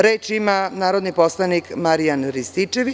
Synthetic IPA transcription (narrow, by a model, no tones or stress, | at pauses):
ɾeːt͡ʃimanaːɾod̪niposlˠanikmaɾijanɾist̪it͡ʃeʋi